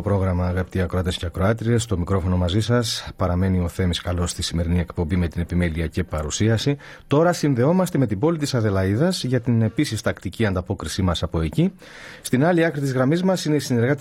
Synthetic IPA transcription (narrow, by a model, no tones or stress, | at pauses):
opɾo̞ɣɾɐmɐɣɐpt̪iɐkɾoɐt̪e̞sceɐkɾo̞ɐt̪ɾie̞st̪o̞mikɾo̞fo̞no̞mɐzisɐspɐɾɐme̞nio̞θe̞miskɐlo̞st̪isime̞ɾinie̞kpo̞mbime̞t̪ine̞pime̞liɐcipɐɾusiɐsi | t̪o̞ɾɐsinðe̞o̞mɐst̪e̞me̞t̪ibo̞lit̪isɐðe̞lɐiðɐsʝɐt̪ine̞pisist̪ɐkt̪iciɐnd̪ɐpo̞kɾisimɐsɐpo̞e̞ci | st̪inɐliɐkɾit̪izɣɾɐmizmɐsine̞isine̞ɾɣɐt̪